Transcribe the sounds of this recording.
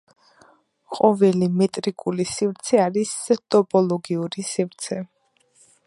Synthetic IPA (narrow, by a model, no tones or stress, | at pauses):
qʼɔvɛlimɛt̪ʼɾikʼulisivɾt̪sʰɛaɾist̪ʼɔpʼɔlˠɔɡiuɾisivɾt̪sʰɛ